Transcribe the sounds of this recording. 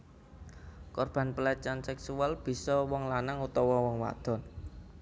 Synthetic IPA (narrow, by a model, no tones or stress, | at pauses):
kɔrb̥a̤npəlat͡ʃansɛksualb̥i̤sɔwɔŋlanaŋut̪ɔwɔwɔŋwa̰d̪̥ɔ̤n